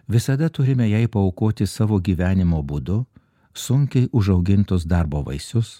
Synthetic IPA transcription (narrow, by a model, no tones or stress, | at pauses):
ʋʲɪsɐd̪ɐt̪ʊɾʲɪmʲɛjɛɪpɐɔʊkoːt̪ʲɪsɑːʋoːɡʲiːʋʲæːnʲɪmoːbuːd̪ʊ | sʊŋʲkʲɛɪʔʊʒɐʊɡʲɪnt̪ʊsd̪ɑːɾboːʋɐ̰ɪsʲʊs